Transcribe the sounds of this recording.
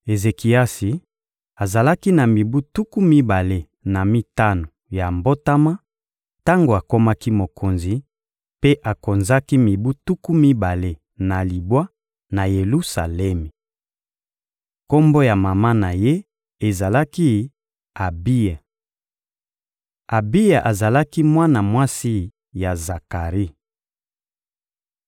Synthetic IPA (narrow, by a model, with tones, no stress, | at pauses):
e˨ze˨ki˨a˦si˨ | a˨za˨la˦ki˦na˨mi˨bu˦tu˦ku˦mi˦ba˨le˨ | na˨mi˦ta˦no˨ja˨mbo˦ta˦ma˦ | ta˦ŋɡo˨a˨ko˦ma˦ki˦mo˨kʰo˨nzi˨ | pe˦ʔa˨ko˨nza˦ki˦mi˨bu˦tu˦ku˦mi˦ba˨le˨ | na˨li˨bwa˦ | na˨je˨lu˦sa̰˨lɛ˦mi˨ | ko˦mbo˦ja˨ma˨ma˦na˨je˦ | e˨za˨la˦ki˦ | a˨bi˦ja˨ | a˨bi˦ja˨ʔa˨za˨la˦ki˦mwa˦na˨mwa˦si˦ | ja˨za˨ka˨ʁi˦